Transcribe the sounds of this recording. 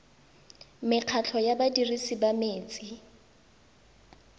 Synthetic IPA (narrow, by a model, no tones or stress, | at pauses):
mɪq͡χʰat͡ɬʰɔjabadirisibameːt͡sʼi